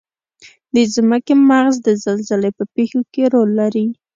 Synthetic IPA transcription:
d̪əzməkemaɣzd̪əzalzəlepəpexokeɾolːaɾi

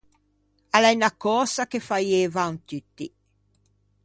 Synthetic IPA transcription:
alɛjnakɔːsakefajeːvant̪yt̪ːi

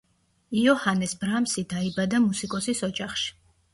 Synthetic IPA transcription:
iɔhanɛsbɾamsid̪aibad̪amusikʼɔsisɔd͡ʒaχʃi̥

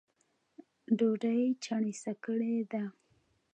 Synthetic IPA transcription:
ɖoɖajt͡ʃaɳisakəɽed̪a

